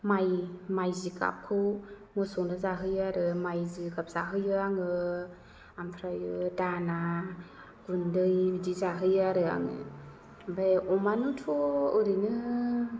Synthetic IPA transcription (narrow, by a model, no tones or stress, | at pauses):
majmajzika̰p̚kʰɯw | mɔsɔnɯzaɦɯjaɾɯmajzikap̚z̥aɦɯjɯaŋɯ | ampʰɾajɯdana | ɡ̥undɯjdizaɦɯjaɾɯa̰ŋɯ̰ | bajɔmanutʰɔɯɾinɯ